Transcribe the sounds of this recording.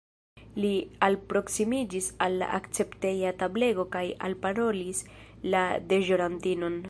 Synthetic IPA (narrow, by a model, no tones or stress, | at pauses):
lialpɾo̞ksimid͡ʒisalːa̰ʔakt͡se̞pte̞jatable̞ɡo̞kaja̰lpaɾo̞lislade̞ʒoɾantino̞n